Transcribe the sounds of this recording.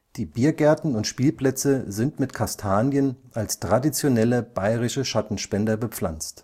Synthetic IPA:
d̥iːbiːɐɡɛɐtn̩ʊntʃpiːlpl̥ɛt͡səzɪntmɪtkʰastʰaːnjənʔalstʁ̥adit͡sjonɛləb̥aɪʁɪʃəʃatn̩ʃpɛndɐbəp͡fla̰nt͡st

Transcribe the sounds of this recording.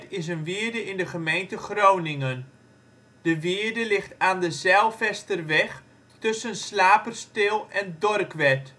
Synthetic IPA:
tɪsənʋɪːəɹdəɪndəχəmejntəχrownɪŋən | d̥əʋɪəɹdəlɪχtaːndəzɛlˠfɛstərʋɛx | tɵsənslaːpərstɪlˠɛndɔrkʋɛt

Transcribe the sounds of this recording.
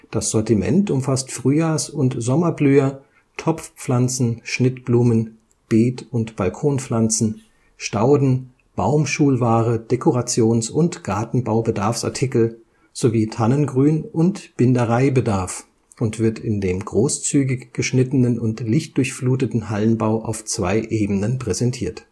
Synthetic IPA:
d̥asz̥ɔɐtimɛ̰ntʊmfastfʁ̥yːjaːsʊntz̥ɔmɐblyːɐ | tʰɔpp͡fp͡flant͡sn̩ʃnɪtb̥luːmən | b̥eːtʊntb̥alkʰoːnflant͡sn̩ | ʃtaʊdn̩ | b̥a̰ʊmʃuːlvaːʁəd̥ekʰoʁat͡sjoːnsʊntɡ̥aɐtn̩baʊbədaɐfsʔa̰ɐtʰɪkl̩ | z̥oviːtʰanənɡʁyːnʔʊntb̥ɪndəʁaɪbədaɐf | ʔʊntv̥ɪɐtʰɪndeːmɡʁoːst͡syːɡɪçɡ̥əʃnɪtənənʊntlɪçt̚d̥ʊɐçfluːtətn̩halənbaʊʔa̰ʊft͡sv̥a̰ɪʔeːbənənpʁ̥ɛzɛntʰiːɐt

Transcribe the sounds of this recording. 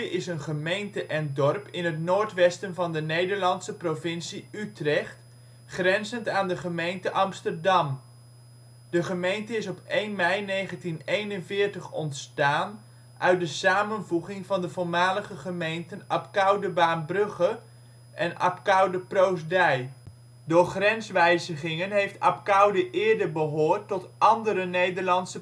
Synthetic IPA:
ʔɪsənχəmejntəʔɛndɔrpɪnɦətnoːɹtʋɛstənvɑndənejdəɹlɑntsəprovɪnsiytrɛχt | χrɛnzəntaːndəχəmejntəʔɑmstəɹdɑm | d̥əχəmejntəɪsɔpejnmɛjnejχəntinejnənvɪːɹtəχɔ̰ntstaːn | ʔœɥt̚dəsaːmənvuχɪŋvɑndəvʊːɹmaːləχəχəmejntənɑpkɑwdəbaːnbrɵχə | ʔɛnʔɑ̰pkɑwdəprowzdɛj | dʊːɹχrɛnsʋɛjzəχɪŋənɦejftɑ̰p̚kɑwdəʔɪːɹdəbəɦʊːɹtːɔtʔɑndəɾənejdəɹlɑnsə

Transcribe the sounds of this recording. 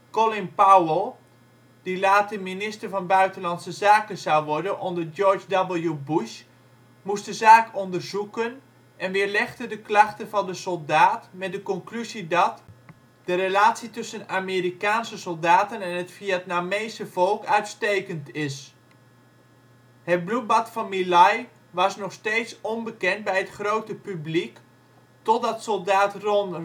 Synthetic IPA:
kɔlɪmpawəlˠ | d̥ilaːtəminɪstərvɑnbœɥtənlɑntsəzaːkəzawʋɔɹdənʔɔndərjɔɹd͡ʒdɔbəl̩ˠjubuʃ | must̚dəzaːkɔndərzukən | ʔɛnʋɪəɹlɛxdədəklɑxtəvɑndəsɔlˠdaːtmɛt̚dəkɔnklyzidɔt | d̥ərelaːtsitɵsənameːɾikaːnsəsɔolˠdaːtənɛnətfiatnameːsəv̥olˠkœɥtstejkəntɪs | hət̚blut̚batfɑnmilaj | ʋɑsnɔxsteːtsonbəkɛnt̚bɛjɦətχrowtəpyblik | tɔtdɑtsɔlˠdaːtron

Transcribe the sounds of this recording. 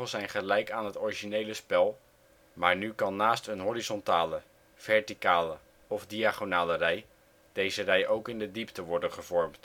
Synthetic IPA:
əzɛjnχəlɛjkaːnɦətɔɹiʒinejləspɛlˠ | maːɹnykɑnːaːstənɦɔɾizɔntaːlə | v̥ɛɹtikaːlə | ɔvdiaːχonaːlərɛj | d̥ejzərɛjʔowkɪndədiptəʋɔɹdənχəv̥ɔɹmt

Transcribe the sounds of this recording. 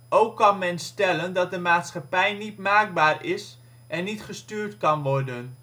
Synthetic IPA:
ʔowkːɑnmɛnstɛləndɑt̚dəmaːtsχɑpɛjnitmaːɡ̚baːɹɪs | ʔɛnːitχəstyːɹtkɑnʋɔrdən

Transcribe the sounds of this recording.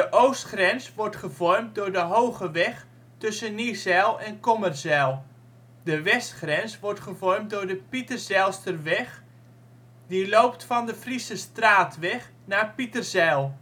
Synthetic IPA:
dəʔoːstχrɛnsʋɔɹtχəvɔrm̚dʊːɹdəɦowχəʋɛχ | tɵsənizɛlˠɛnkɔmərzɛlˠ | dəʋɛstχrɛnsʋɔɹtχəvɔrmt̚dʊːɹdəpitərzɛlˠstərʋɛχ | dilowptfɑndəfrisəstraːtʋɛχ | naːpitərzɛlˠ

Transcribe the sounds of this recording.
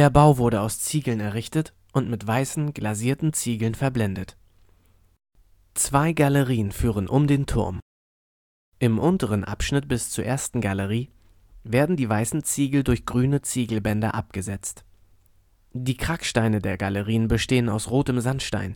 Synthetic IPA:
deːɐbaʊvʊɐɾəaʊst͡siːɡl̩nɛɐʁɪçtət | ʔʊntmɪtv̥aɪsn̩ɡ̥laziːɐtn̩t͡siːɡl̩nfɛɐblɛndət | t͡sv̥aɪɡaləʁiːənfyːʁənʔʊmdeːntʰʊ̰ɐm | ʔɪmʔʊntəʁ̞ənʔa̰pʃnɪt̚b̥ɪst͡suːɐʔeːɐstn̩ɡaləʁiː | veːɐdn̩diːvaɪsn̩t͡siːɡl̩dʊɐçɡ̥ʁyːnət͡siːɡl̩bɛndɐʔap̚ɡ̥əzɛt͡st | d̥iːkʁ̥akʃtaɪnədeːɐɡaləʁiːənbəʃteːənaʊsʁoːtəmzantʃta̰ɪn

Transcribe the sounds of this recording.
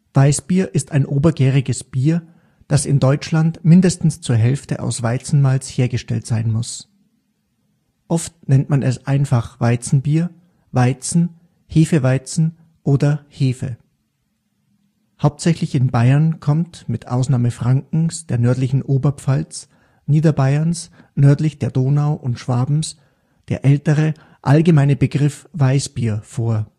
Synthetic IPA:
v̥aɪsb̥iːɐʔɪstʰaɪnʔoːbɐɡɛːʁɪɡəsb̥iːɐ | d̥asɪndɔʏt͡ʃlantmɪndəstn̩st͡suːɐɦɛlftə̰ʔa̰ʊsv̥aɪt͡sn̩malsheːɐɡəʃtɛ̰ltz̥aɪnmʊs | ʔɔftnɛntmanʔɛsʔaɪnfaχv̥aɪt͡sn̩biːɐ | vaɪt͡sn̩ | heːfəvaɪt͡sn̩ | ʔoːdɐheːfə̰ | haʊp̚tz̥ɛçlɪçɪnbaɪɐnkʰɔmtmɪtʔa̰ʊsnaːməfʁ̥aŋkŋ̩sd̥eːɐnœɐtlɪçn̩ʔoːbɐpp͡falt͡s | niːdɐbaɪɐns | nœɐtlɪçd̥eːɐdoːnaʊʔʊntʃv̥aːbm̩s | d̥eːɐʔɛltəʁə | ʔalɡəmaɪnəbəɡʁɪfv̥aɪsb̥iːɐfoːɐ

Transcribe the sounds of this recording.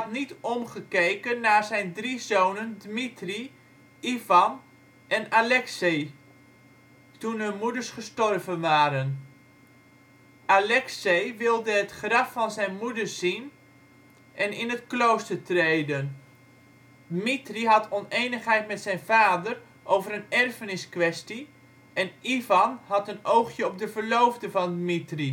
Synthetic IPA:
ɑtnitɔmχəkejkənːaːzɛjndrizoːnəndmitri | ivɑn | ʔɛnalɛkse | tunənmudəɹsχəstɔrvənʋaːɾən | ʔalɛksejʋɪlˠdəɦətχrɑfɑnzɛjnmudərz̥in | ʔɛnɪnətklowstəɹtrejdən | dmitriɦɑtɔnejnəχɦɛjtmɛtsɛjnvaːdər | ʔowvəɾənɛrfənɪskʋɛsti | ɛnivɑnhɑtənowχjəɔp̚dəvəɹlowvdəvɑndmitri

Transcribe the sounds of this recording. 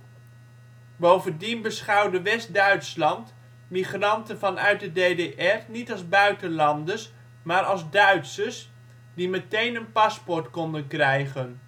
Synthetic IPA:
bowvəndinbəsχɑwdəʋɛstdœɥtslɑnt | miχrɑntənvɑnœ̰ɥt̚dədedeʔɛrnitɑlˠzbœɥtənlɑndəs | maːɹɑlˠzdœɥtsəs | dimətejnənpɑspɔɹtkɔndənkrɛjχən

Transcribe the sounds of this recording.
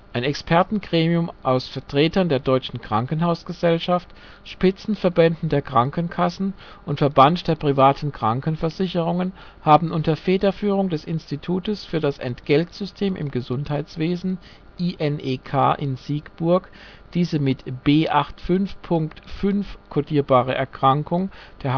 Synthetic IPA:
ʔaɪnɛkspʰɛɐtn̩ɡʁeːmiʊmʔaʊsfɛɐtʁ̥eːtɐndeːɐdɔʏt͡ʃn̩kʁ̥aŋkənɦaʊsɡ̥əzɛlʃaft | ʃpɪt͡sn̩fɛɐbɛndn̩deːɐkʁ̥aŋkənkʰasn̩ | ʔʊntfɛɐbantd̥eːɐpʁ̥ivaːtʰn̩kʁ̥aŋkənfɛɐzɪçəʁʊŋən | haːbm̩ʔʊntɐfeːdɐfyːʁ̞ʊŋdɛsɪnstitʰuːtəsfyːɐɾasɛ̰ntɡ̥ɛltz̥ʏstʰeːmʔɪ̰mɡəzʊnthaɪt͡sv̥eːzn̩ | ʔiːʔɛnʔeːkʰa̰ːʔɪnz̥iːɡb̥ʊɐk | d̥iːzəmɪtb̥eːʔaχtfʏnfpʰʊŋktfʏnfkʰodiːɐbaːʁ̞əʔɛɐkʁ̥aŋkʊŋd̥eːɐ

